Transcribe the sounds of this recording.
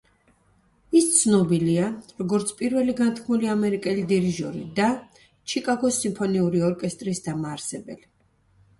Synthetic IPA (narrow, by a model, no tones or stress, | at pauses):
ist̪sʰnɔbiliaɾɔɡɔɾt̪sʰpʼiɾvɛliɡant̪ʰkʰmuliamɛɾikʼɛlid̪iɾiʒɔ̰ɾḭd̪a | t͡ʃʰikʼaɡɔsimpʰɔniuɾiɔɾkʼɛst̪ʼɾisd̪amaːɾsɛbɛ̰li